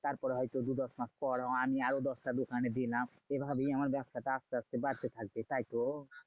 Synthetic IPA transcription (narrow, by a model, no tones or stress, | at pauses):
t̪aɾpɔɾɦɔjt̪od̪ud̪ɔsmat̪ʰpɔɽɔ̃amiaɾod̪ɔsʈad̪ukʰaned̪ilã | ebʱabʱiamaɾbjast̪ʰaʈaast̪east̪ebaɾt̪et̪ʰak̚t̪et̪ajt̪o